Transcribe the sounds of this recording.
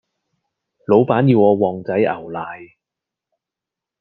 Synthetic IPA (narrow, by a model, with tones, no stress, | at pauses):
lo˨˧wpaː˨˥njiː˧wɔː˨˧wɔː˨ŋt͡sɐ˨˥jʔɐ̰˨˩wlaː˨j